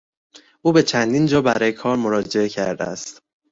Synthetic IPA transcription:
ʔuːbe̞t͡ʃʰænd̪iːnd͡ʒɒːbæɾɒːjekʰɒːɾmo̞ɾɒːd͡ʒeecʰæ̰ɾd̪ḛæ̰st̪

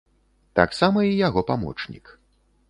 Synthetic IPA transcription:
t̪a̰ksamɐijaɣɔpamɔ̰t͡ʂnʲḭk

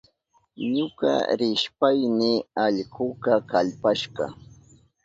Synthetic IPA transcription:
ɲʊkɑ̰ɾɪʃpajnɪaʎkʊkɑkaʎpaʃɢɑ̰

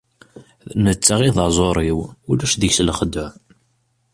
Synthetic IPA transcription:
nət͡sːaʁiðzˤoɾˤiwulæʃðəçslχəd̪ːʊʕ

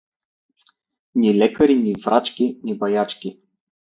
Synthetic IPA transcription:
nilɛkɐɾinʲivɾat͡ʃkʲinʲibɐjat͡ʃkʲi

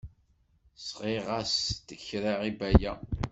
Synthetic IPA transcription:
sʁeʁast̪əçɾaʁibæjæ

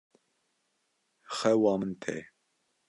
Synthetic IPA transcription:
xɛwɑːmənt̪ʰɛ̰

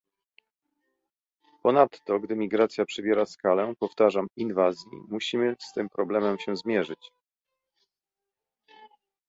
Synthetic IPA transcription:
pɔnat̪ːɔɡd̪ɘmʲiɡɾat̪sʲjapʂɘbʲjɛɾaskalɛpɔft̪aʐaminvazʲjḭmuɕimɘst̪ɘmpɾɔblɛmɛmɕɛ̃zmʲjɛʐɘt͡ɕ

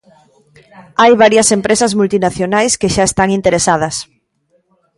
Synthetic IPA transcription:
ajβaɾjɐsempɾesɐzmult̪inaθjonajskeʃaest̪aŋint̪eɾesað̞ɐs

